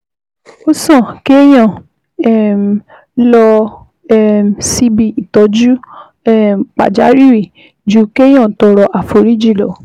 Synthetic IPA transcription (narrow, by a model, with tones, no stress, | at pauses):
o˦sã˦˨ke˦j̃ã˦˨ | ɛ˦˨m˨ | lɔ˧ | ɛ˦˨m˨si˧˦bi˦˨i˨tɔ˨˦d͡ʒu˦ | ɛ˦˨k͡pa̰˨d͡ʒa˨˦ɾi˦˨wi˦˨ | d͡ʒu˨˦ke˦j̃ã˦˨tɔ˧ɾɔ˧ʔa˨fo˨ɾi˦d͡ʒi˦˨lɔ̰˨